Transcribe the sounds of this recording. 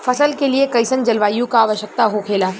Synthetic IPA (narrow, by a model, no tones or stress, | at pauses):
fʰɐsəlkeliekɐɪsənd͡ʒɐlʋaːjõkaːʋəʃjək̚t̪aɦokʰeːlaː